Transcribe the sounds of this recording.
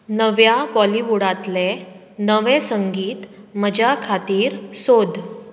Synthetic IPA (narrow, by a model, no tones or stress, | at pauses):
nəʋjabɔliʋuɽat̪le | nəʋesəŋɡiːt̪məd͡ʑakʰat̪iːɾsod̪ʱ